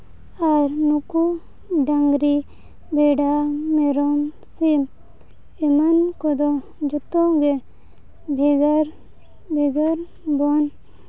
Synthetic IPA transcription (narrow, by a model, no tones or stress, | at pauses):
aɾnuku | ɖɐŋɡɾi | bʱeɖameɾom | sim | emɐnkod̪o | d͡ʒut̪õɡe | bʱeɡɐɾ | bʱeɡɐɾ | bon